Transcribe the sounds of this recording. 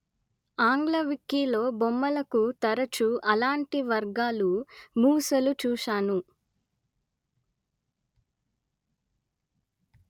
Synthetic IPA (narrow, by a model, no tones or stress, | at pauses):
aːŋɡlɐʋikːiːloːbɔmːɐlɐkut̪ɐɾɐt͡ʃuʔɐlaːɳʈiʋɐɾɡaːlumuːsɐlut͡ʃuːʂaːnu